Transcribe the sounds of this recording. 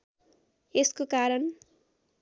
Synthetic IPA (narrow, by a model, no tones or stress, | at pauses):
eskokaɾʌn